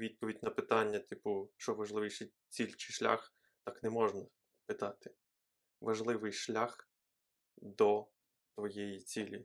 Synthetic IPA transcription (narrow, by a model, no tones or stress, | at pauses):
ʋʲid̪̚pɔʋʲidʲnɐpɪt̪ɑnʲːɐt̪ɪpʊt͡ʃɔʋɐʒlˠɪʋɪjʃe | t͡sʲilʲt͡ʃɪʃlʲa̰x | t̪ɑknɛmɔʒnɐ | pɪt̪ɑt̪ɪ̥ | ʋɐʒlˠɪʋɪjʃlʲax | d̪ɔ | t̪ʋɔjɛjit͡sʲilʲi